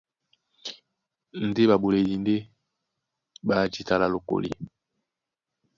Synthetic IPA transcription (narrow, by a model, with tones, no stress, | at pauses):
n̩˨˦de˦ba˨bo˨le˨li˨nde˦ | ba˨d͡ʒi˨ta˨la˨lo˨ko̰˨lḭ˦˨